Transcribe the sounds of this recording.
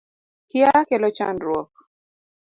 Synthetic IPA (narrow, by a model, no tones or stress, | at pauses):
kjakɛlɔt͡ʃa̰nɾwɔk̚